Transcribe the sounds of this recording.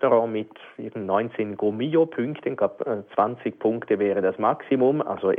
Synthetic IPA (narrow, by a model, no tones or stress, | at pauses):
toʁɑ̃mɪt | ɪɐɡn̩tnɔʏnt͡senɡ̥omiopʰʏŋktənɡ̥lapːt͡sv̥ant͡sɪɡ̚pʰʊŋktəvɛːʁədasmaksimʊma̰lso